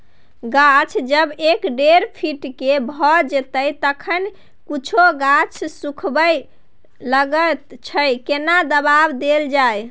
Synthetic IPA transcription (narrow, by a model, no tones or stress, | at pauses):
ɡat͡ʃʰd͡ʒəbekɖeɾpʰiʈkebʱɔd͡ʒet̪əjt̪əkʰən | kut͡ʃʰoɡat͡ʃʰsukʰbəj | ləɡət̪t͡ʃʰəjkenad̪əbabd̪eld͡ʒaj